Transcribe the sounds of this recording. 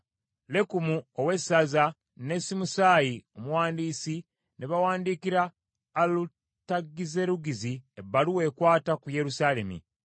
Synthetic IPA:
le̞kumuowe̞sːaza | ne̞simusaːjio̞muwaːndiːsi | neβawaːndiːkiɾaː | lu | taɡːize̞ɾuɡiziebaluwe̞ːkwaːtakuje̞ɾusaːle̞̰mḭ

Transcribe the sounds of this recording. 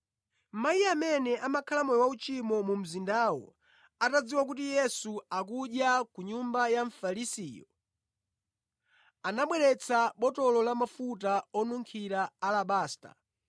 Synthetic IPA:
majiamɛnɛʔamakʰalamɔjwaut͡ʃimɔmum̩zindaːwɔ̰ | atad͡ziwak̬ut̬ijɛsuakuɗjakuɲumbajaɱfalisijɔ | anaɓwɛɾɛt͡sʰaɓɔtɔlɔlamafut̬aɔnuŋkʰiɾaalaɓaːsta̰

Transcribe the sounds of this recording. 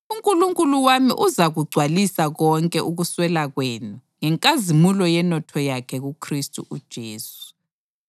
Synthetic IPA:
uŋkʼuluŋkʼuluwamḭʔuzaɣuɡ͡ǀʱwalisaɣɔŋkʼɛʔuɣuswɛlaɣweːnuŋɛŋkʼazimulɔjɛnɔtʰɔjakʰɛɣukʰristʼṵʔud̥ʒ̥ʱeːsu̥

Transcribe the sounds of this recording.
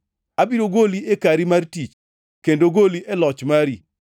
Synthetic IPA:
abiɾoɡoliekaɾimartit͡ʃ | kendoɡoliʔɛlɔt͡ʃmaɾi

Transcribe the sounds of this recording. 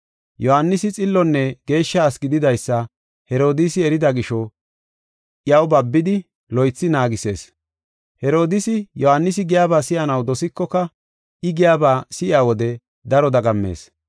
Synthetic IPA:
jɔhanːɪsɪt͡sʼɪlːɔnːɛɡ̥e̞ːʃːɐːsɡɪd̪ɪd̪ɐjsːɐ | hɛɾo̞ːd̪ɪsɪɛɾɪd̪ɐɡɪʃɔ | ʔjɐwbɐbːɪd̪ɪ | lɔjt͡sːɪnaːɡɪse̞̰ːs | hɛɾo̞ːd̪ɪsɪjɔhanːɪsɪɡɪjaːbaːsɪʔɐnɐwd̪ɔsɪkːɔkɐ | ʔɪɡɪjaːbaːsɪʔɪaːwɔd̪ɛ | d̪ɐɾɔd̪ɐɡɐmːe̞̰ːs

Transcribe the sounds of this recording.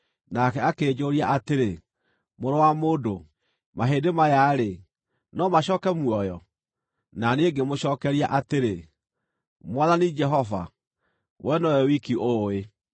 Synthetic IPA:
nakɛakeːd͡ʒoɾiaʔateɾe | moɾowamoːdo | maɦeːdemajaɾe | nɔmaɕɔːkɛmwɔjɔ | naneːɡemoɕɔːkɛɾiaʔateɾe | mwaðanid͡ʒɛɦɔva̰ | wʔɛnɔɔwikiʔoe

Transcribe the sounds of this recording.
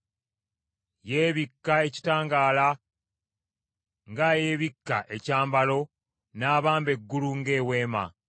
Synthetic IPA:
jeːβikːae̞ci̥taːŋɡaːla | ŋɡaje̞ːβikːa̰ʔe̞caːmbalo̞ | naːβaːmbe̞ɡːuluŋɡe̞ːwe̞ːma̰

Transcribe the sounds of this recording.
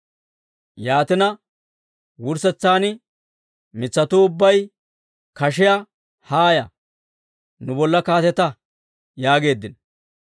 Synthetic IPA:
jaːt̪ɪnɐ | wʊɾsɛt͡sːaːnɪ | mɪt͡sːɐt̪uːʊbːɐj | kɐʃɪjɐ | haːjɐ | nʊbɔlːɐkaːt̪ɛt̪ɐ | jaːɡe̞ːd̪ːɪn

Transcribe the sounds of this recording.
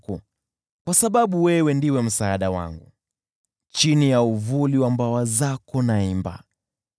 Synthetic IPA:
ku | kwasaɓaɓuwɛwɛndiwɛm̩saːɗawa̰ŋɡṵ | t͡ʃinijauvuliwambawazakɔnaimba̰

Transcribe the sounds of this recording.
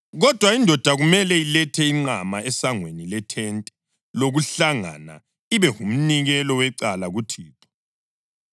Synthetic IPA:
ɣɔd̥ʱwaindʱɔd̥ʱaɣumɛlɛilɛtʰɛiŋ͡ǀamaɛsaŋwenilɛtʰɛntʼɛ̥ | loɣuɬaŋa̰na̰ | iβɛhum̩niɣɛlɔwɛǀalaɣutʰiːtʰɔ̥

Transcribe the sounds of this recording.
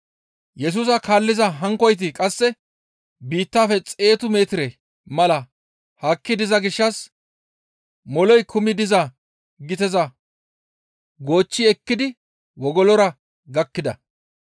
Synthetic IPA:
jɛs̬uːs̬ɐkaːlːɪzɐɦɐŋkɔjt̪̬ɪkʼɐsːɛ | biːt̪ːaːfɛt͡sʼe̞ːt̪ʊme̞ːt̪ɪɾɛ | mɐlɐ | hɐkːɪd̪ɪzɐɡɪʃːɐs | mɔlɔjkʰʊmɪd̪ɪzɐ | ɡɪt̪ɛzɐ | ɡo̞ːt͡ʃːɪɛkːɪd̪ɪ | wɔɡɔlɔɾɐ | ɡɐkːɪd̪ɐ̰

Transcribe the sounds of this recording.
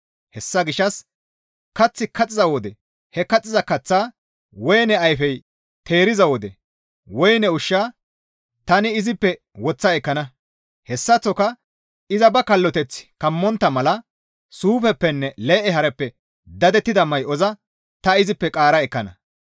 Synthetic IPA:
hɛsːɐɡɪʃːɐs | kɐt͡sːɪkɐt͡sʼɪzɐwɔd̪ɛ | hɛkɐt͡sʼːɪzɐkɐt͡sːaː | wɔjnɛɐjfɛj | t̪e̞ːɾɪzɐwɔd̪ɛ | wɔjnɛʊʃːaː | t̪ɐnɪɪzɪpːɛ | wɔt͡sːɐɛkːɐnɐ | hɛsːɐt͡sːɔkɐ | ɪzɐbɐkɐlːɔt̪ɛt͡sːkɐmːɔnt̪ːɐmɐlɐ | suːfɛpːɛnːɛleːʔɛɦɐɾɛpːɛ | d̪ɐd̪ɛt̪ːɪd̪ɐmɐjɔzɐ | t̪ɐɪzɪpːɛkʼaːɾɐɛkːɐnɐ

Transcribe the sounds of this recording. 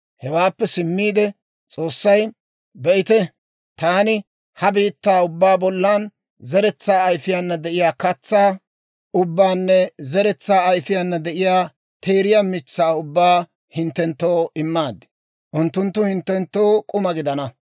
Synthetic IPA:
hɛwaːpːɛsɪmːiːd̪ɛ | t͡sʼo̞ːsːɐj | bɛʔɪt̪ɛ | t̪aːnɪ | hɐbiːt̪ːaːʊbːaːbɔlːan | zɛɾɛt͡sːaːjfɪjanːɐd̪ɛʔɪjaːkɐt͡sːaː | ʊbːaːnːɛzɛɾɛt͡sːaːɐjfɪjanːɐd̪ɛʔɪjaː | t̪ʰeːɾɪjamɪt͡sːaːʊbːaː | hɪnt̪ːɛnt̪ːoːɪmːaːd̪ɪ̥ | ʔʊnt̪ːʊnt̪ːʊhɪnt̪ːɛnt̪ːo̞ːkʼʊmɐɡɪd̪ɐnɐ

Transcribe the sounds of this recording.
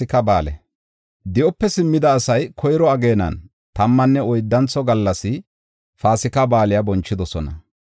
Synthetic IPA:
ɪkɐbaːlɛ̰ | d̪ɪʔɔpːɛsɪmːɪd̪ɐːsɐjkʰɔjɾɔɐɡe̞ːnɐ̰n | t̪ɐmːɐnːɛɔjd̪ːɐnt͡sːɔɡɐlːɐsɪ | faːsɪkɐbaːlɪjɐbɔnt͡ʃːɪd̪ɔsɔnɐ̰

